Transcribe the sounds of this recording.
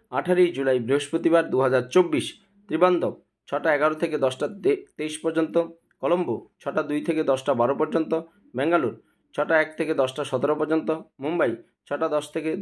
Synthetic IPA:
aʈʰaɾijd͡ʑulajbɾiɦoʃpɾot̪ibaɾd̪uɦad͡ʑaɾt͡ɕobːiʃ | t̪ɾiband̪ob̚ | t͡ɕʰɔʈaɛɡaɾot̪ʰeked̪ɔsʈat̪ejʃpɔɾd͡ʑont̪o | kɔlombot͡ɕʰɔʈad̪ujt̪ʰeked̪ɔsʈabaɾopɔɾd͡ʑont̪o | bɛŋɡaluɾ | t͡ɕʰɔʈaɛk̚t̪ʰeked̪ɔsʈaʃɔt̪eɾopɔɾd͡ʑont̪omumbaj | t͡ɕʰɔʈad̪ɔʃt̪ʰeke

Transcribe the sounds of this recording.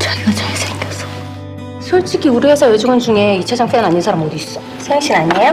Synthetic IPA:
t͡ɕaɡiʌt͡ɕaesʰatʌsʌ̥ | sʰuɭt͡ɕ͈ʰiɡʰiuɾiesʰʌjed͡ʑoɡɯnd͡ʑuŋe̞it͡ɕʰad͡ʑaŋp͈ʰenaɲinsʰaɾamːodiːs͈ʌ | sʰeŋɕʰinaɲe

